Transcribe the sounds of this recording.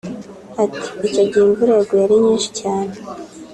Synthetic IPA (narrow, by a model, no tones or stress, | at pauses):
ati̥icoɟiːɱvuɾeɡojaɾiɲiːnʃi̥caːne